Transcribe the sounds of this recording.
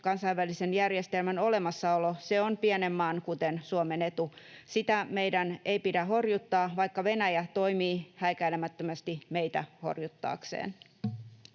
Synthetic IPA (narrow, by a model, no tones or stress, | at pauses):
kɑnsɑjʋːælisenjærjest̪elmæno̞lemɑsːɑoloseonpiɛnemːɑːnkut̪ensuomenet̪usit̪æmeidænʔeipidæɦo̞rjut̪ːɑːʋɑjkːɑʋe̞næjæt̪o̞imiːhæikæilemæt̪ːømæst̪imeit̪æho̞̰rjut̪ːɑ̰ːksḛːn